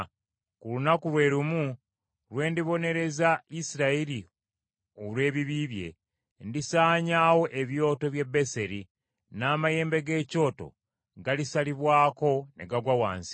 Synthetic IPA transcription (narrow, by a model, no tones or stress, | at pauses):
kulunakulwe̞ːɾumu | lwe̞ːndiβo̞ne̞ɾe̞zaisiɾaeɾi | olwe̞ːβiβiβje̞̰ | ndisaːɲaːwo̞ʔe̞βjo̞ːto̞βje̞be̞se̞ɾi | naːmaje̞ːmbe̞ɡe̞ːco̞ːto̰ | ɡalisaliβwaːko̞ne̞̰ɡaɡwawa̰ːnsi̥